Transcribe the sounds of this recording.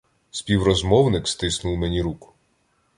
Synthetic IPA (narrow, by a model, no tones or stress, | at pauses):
spʲiwɾɔzmɔwnɪkst̪ɪsnʊwmenʲiɾukʊ̥